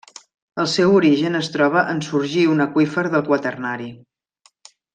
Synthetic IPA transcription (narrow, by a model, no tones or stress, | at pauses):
əlˠsɛwuɾiʒənəst̪ɾɔβ̞əʔənsuɾʒiunəkwifəɾðəlˠkwət̪ərnaɾi